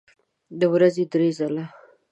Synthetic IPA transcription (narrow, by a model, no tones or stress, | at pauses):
d̪əwɾazed̪ɾezala